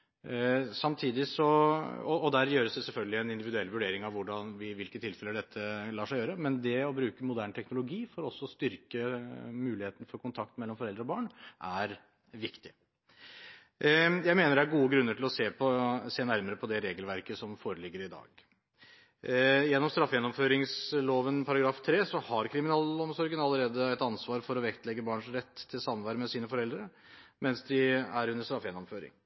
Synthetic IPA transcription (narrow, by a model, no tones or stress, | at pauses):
sɑmt̪ʰiːd̪ɪsɔɔɔd̪æɾjøːɾəsd̪ɛsɛlfœlɡəlɪɛnɪnd̪ɪʋɪd̪ʉɛlʋʉɖeːɾɪŋɑʋʊɖɑnʋɪʋɪlkət̪ʰɪlfɛləɖɛt̪ʰːəlɑːʂæɪjøːɾəmɛnd̪ɛɔbɾʉːkəmʊd̪æːɳt̪ʰɛknʊlʊɡiːfɔɾɔsːɔst̪ʏɾkəmʉːlɪheːt̪ən̩fɔɾkʰʊnt̪ʰɑk̚t̪mɛlːɔmfɔɾɛld̪ɾəɔbɑːɳʔæɾ | ʋɪkt̪ɪ | jæɪmeːnəɖææɾɡuːəɡɾʉnːəʈʰɪlɔseːpʰɔseːnæɾməɾəpʰɔd̪ɛɾeːɡəlʋæɾkəsɔmfoːɾəlɪɡːəɾɪd̪ɑ̰ːɡ | jɛnːɔmst̪ɾɑfjɛnːɔmføːɾɪŋsloːʋənpʰɑɾɑɡɾɑːft̪ʰɾeːsɔhɑɾkʰɾɪmɪnɑːlɔmsɔɾɡənɑlːəɾeːd̪əɛɪt̪ɑnsʋɑːɾfɔɾɔʋɛkt̪lɛɡːəbɑːɳʂɾɛt̪ʰːɪlsɑmʋæɾəmɛsiːnəfɔɾɛld̪ɾə | mɛnsd̪ɪæɾʉnːəʂst̪ɾɑfjɛnːɔmføːɾɪ̰ŋ